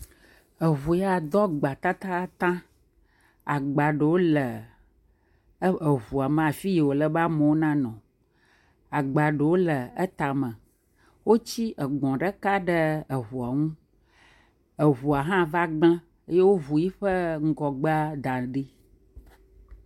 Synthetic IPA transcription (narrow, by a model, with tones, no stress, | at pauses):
ə˨βu˨ja˦˨d̪ɔ˦ɡ͡ba˨t̪a˦t̪a˦t̪ã˦ | a˨ɡ͡ba˨ɖə˨wo˦lə˨˦ | ə˨βu˨a˨mə̃˨a˨fi˦je˨wo˨lə˨ba˦mə˨wo˦nã˦nɔ̃˨ | a˨ɡ͡ba˨ɖə˨wo˦lə˨ə˦t̪a˨mə̃˨ | wo˦t͡ɕi˦ʔə˨ɡ͡bɔ̃˨ɖə˦ka˦ɖə˦ə˨ɦu˨a˨ŋũ˦ | ə˨ɦu˨a˨ɦã˦va˦ɡ͡bã˦ | e˦je˦wo˦vu˨ji˦ɸə˦ŋ̩˦ɡɔ˨ɡ͡ba˦d̪ã˨ɖi˦